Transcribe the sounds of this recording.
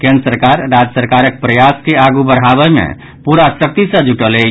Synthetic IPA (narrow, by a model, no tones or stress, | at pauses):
kẽnd̪ɾəsəɾkaɾːad͡ʒəsəɾkaɾək̚pɾəjaskeaɡubəɽ̤ɦabɛmḛ̃ | puɾasək̚t̪isə̃d͡ʒuʈəle